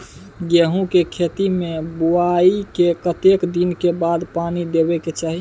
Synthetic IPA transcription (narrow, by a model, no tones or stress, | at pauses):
ɡeɦũkekʰet̪imebuaikekət̪ekd̪inkebad̪panid̪ebɛket͡ʃaɦi